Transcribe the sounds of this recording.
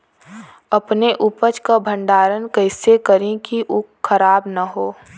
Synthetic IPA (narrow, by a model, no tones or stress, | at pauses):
ɐpneʔʊpət͡ʃkabʱə̃ɳɖaːɾənkəɪsekəɾẽkiʔʊkxəɾaːbnaɦoː